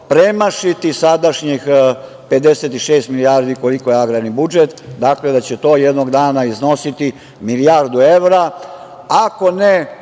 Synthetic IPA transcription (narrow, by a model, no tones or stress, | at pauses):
pɾemaʃit̪isad̪aʃɲix | pe̞d̪eset̪iʃeːst̪milijaɾd̪iko̞liko̞jeaɡɾaɾnibud͡ʒet̪d̪akle̞d̪at͡ɕet̪o̞ːjed̪noɡd̪aːnaizno̞sit̪i | milijaɾd̪ue̞ʋɾa | ako̞ne